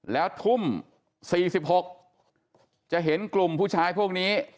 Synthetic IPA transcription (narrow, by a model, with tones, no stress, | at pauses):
lɛː˦˥wt̪ʰu˥˩m | siː˨˩si˨˩p̚ho˨˩k̚ | t͡ɕa˨˩ʔɦe˩˦nklu˨˩mpʰuː˥˩t͡ɕʰaː˦˥jpʰu˥˩ək̚niː˦˥